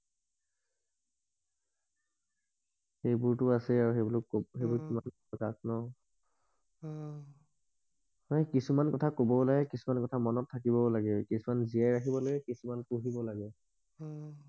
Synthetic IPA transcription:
xejbuɹtʊasɛaɹuxeblxejbuɹkiman | kaknɔ | hɔjkisumankɔtʰakobɔlaɡɛkisumankɔtʰamɔnɔtʰːakibɔlaɡɛkisumanziajɹakibɔlaɡɛkisumankuɦibɔlaɡɛ

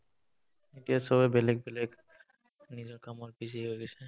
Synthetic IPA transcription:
etijasɔbɛbɛlɛɡ̚bɛlɛɡ | nizɔɹkamɔtbiz̬iɦojɡɛsɛ

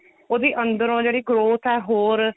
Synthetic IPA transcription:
oːd̪iːʔə̃nd̪əɾõːd͡ʒeːɽiːɡɾoːt̪ʰɛːɦoːɾ

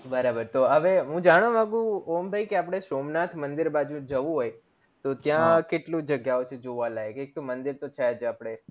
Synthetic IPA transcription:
bəɾabəɾt̪oɦəʋeɦũd͡ʒaɽ̃omãɡũombʱajkeap̬ɽ̃esomnat̪ʰmənd̪iɾbad͡ʒũd͡ʒəʋũɦoj | t̪ot̪jãkeʈlũd͡ʒəɡjaot͡ʃʰed͡ʒoʋalaekek̚t̪omənd̪iɾt̪ot͡ʃʰad͡ʒʰapɽ̃e

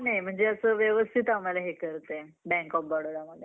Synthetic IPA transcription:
najm̤əɳd͡zeəsəːʋjəʋəst̪ʰit̪amalaɦekəɾt̪ebɛ̃ŋkɔp̚bɔɽoɽaməd̪ʱje

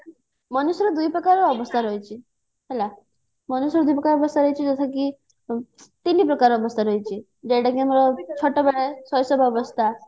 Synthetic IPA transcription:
mənusɾɔd̪ujpɾəkaɾɔbəst̪ʰaɾəjt͡ɕi | ɦɛla | mənusɾɔd̪ujpɾəkaɾɔbəst̪ʰaɾəjt͡ɕid͡zət̪ʰak̬i | t̪ilːipɾəkaɾɔbəst̪ʰaɾəjt͡ɕi | d͡ʑeʈakẽməɾɔt͡ɕʰɔʈɔbeɭesɔjsɔbʱabəst̪ʰa

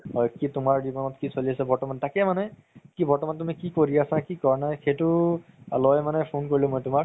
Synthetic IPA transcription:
ɔjkitʊmaɹdibɔnɔtkisoliasɛbɔɹtɔmantakɛmanɛ | kibɔɹtɔmantʊmikikoɹiasãkikɔɹnajxejtʊ | alɔjmanɛpʰonkoɹilɛ̃mojtʊma

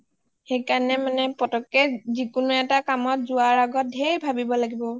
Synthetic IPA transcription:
xejkanɛmanɛpɔtɔkːɛzikʊnʊɛtakamɔtzʊaɹaɡɔt̚dʱeɹibʱabibɔlaɡibɔ

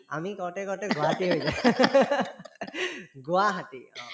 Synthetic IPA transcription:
a̰mikɔɹtɛkɔɹtɛɡʊaatiɦojzɛ | ɡʊaɦatiɔ̃

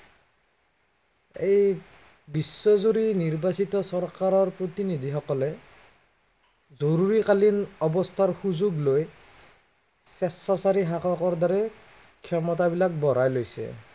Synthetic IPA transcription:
ej | bisːɔzuɾiniɹbasitɔsɔɹkaɹɔɹpɹot̪inid̪ʱixɔkɔlɛ | zoɹuɹikalinɔbɔstʰaɹxuzuɡloj | sɛstasaɹiɦakɔkɔɹdɔɹɛ | kʰjɔmɔt̬abilak̚bɔɹajlojsɛ̰

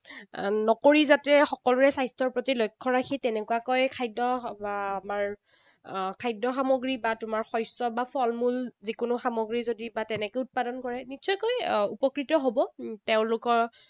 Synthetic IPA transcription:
nɔkoɹizatɛxɔkɔlʊɹɛsajstʰɔɹpɹotilojkʰːɔɹakʰitɛnɛkuwakɔjkʰajdɔbaamaɹ | kʰajdɔxamoɡɹibatʊmaɹxɔjsɔbapʰɔlmulzikʊnʊxamoɡɹizodibatɛnɛkojʊt̚padɔnkɔɹɛnitsʰɔjkojupɔkɹitɔɦobɔteʊ̃lʊkɔɹ

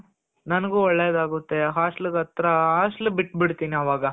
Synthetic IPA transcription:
nɐnɐɡuːɔɭːeːd̪aːɡut̪ːe̞ɦaːʂʈluɡɐt̪ɾɐɦaːʂʈlubiʈːbiɽt̪iːniɐʋaːɡɐ

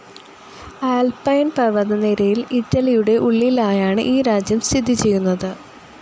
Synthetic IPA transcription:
aːlpɐjnpɐʋɐðɐneɾɐjilitːɐlijuɽe̞ʔuɭːilaːjaːɳɨ̰ʔiːɾaːd͡ʑjɐmst̪ʰid̪ʱːit͡ɕe̞jːunːɐðɨ

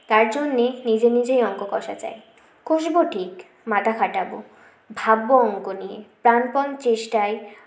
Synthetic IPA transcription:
t̪aɾd͡ʑonːenid͡ʑenid͡ʑejɔŋkokɔʃa̰t͡ɕa̰e | kʰoʃ̬boʈʰik | mat̪ʰakʰaʈabo | bʱabːoɔŋkonijḛpɾanpɔnt͡ɕeʃʈae

